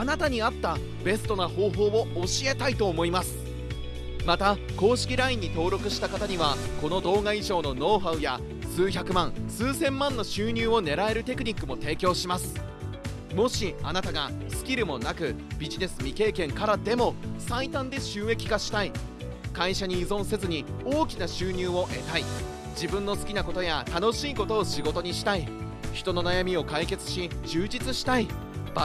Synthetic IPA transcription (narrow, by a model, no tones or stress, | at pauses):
anat̪aɲ̟iat̪ːa | be̞st̪o̞naho̞ːɦo̞ːβo̞ːɕie̞t̪ait̪o̞ːmo̞imasɨ̥ | mat̪ako̞ːɕi̥kʲiɾaĩɲ̟ːit̪o̞ːɾo̞kɯ̟ɕi̥t̪akat̪aɲ̟iβ̞ako̞no̞d̪o̞ːɡaiʑo̞ːno̞no̞ːɸaɯ̟ja | sɨːçakɯ̟mãɰ̃sɨːsẽ̞mːãnːo̞ɕɨːɲ̟ɨːo̞ne̞ɾae̞ɾɯ̟t̪e̞kɯ̟ɲ̟ikːɯmo̞t̪e̞ːkʲo̞ːɕimasɨ̥ | mo̞ɕianat̪aɡasɨ̥kʲiɾɯ̟mo̞nakɯ̟bʲiʑine̞sɨmʲike̞ːkẽ̞ŋkaɾad̪e̞mo̞sait̪ãnd̪e̞ɕɨːe̞kʲi̥ɡaɕi̥t̪ai | kaiɕaɲ̟iːzõ̞se̞zɨɲ̟io̞ːkʲinaɕɨːɲ̟ɨːo̞ʔe̞̰t̪ai | d͡ʑibɯ̟̃nːo̞sɨ̥kʲinako̞t̪o̞jat̪ano̞ɕiːko̞t̪o̞ːɕiɡo̞t̪o̞ɲ̟iɕi̥t̪ai | çi̥t̪o̞no̞najamʲio̞kaike̞t͡sɨ̥ɕit͡ɕɨːd͡ʑit͡sɨɕi̥t̪ai